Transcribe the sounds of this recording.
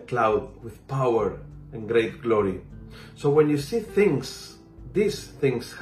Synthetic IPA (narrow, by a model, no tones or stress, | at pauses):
klawd̚wɪðpawəɹɛ̃nɡɾejt̪̚ɡlɔɹi | sowɛ̃njusiθɪ̃ŋs | ðisθɪ̃ŋs